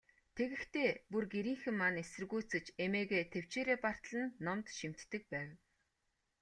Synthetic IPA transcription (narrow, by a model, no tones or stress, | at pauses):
t̪ʰeɣɘ̆kt̪ʰeːpurɡeɾiːŋxɘ̆mːanesɘ̆rɣujʰt͡sɘ̆t͡ɕemeːɣeːt̪ʰew̥t͡ɕeːɾeːpar̥t̪ɮə̆nːɔmt̪ʃim̥t̪ːɘ̆k̚pæːw